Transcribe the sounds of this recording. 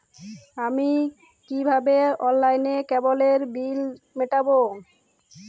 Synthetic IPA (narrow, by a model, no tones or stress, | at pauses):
ami | kibʱabeɔnːajnekɛboleɾbil | meʈabo